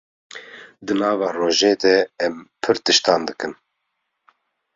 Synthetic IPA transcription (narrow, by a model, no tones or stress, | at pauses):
d̪ɨnɑːvɑːroːʒeːd̪ɛɛmpʰɨɾt̪ɨʃt̪ɑːnd̪ɨkɨn